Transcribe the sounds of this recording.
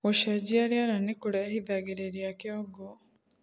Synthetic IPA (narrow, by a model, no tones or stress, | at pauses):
oʃɐd͡ʒiɐɾiɐɾɐnːikuɽehid̪aːɡeɾeɾiɐkeoɡːo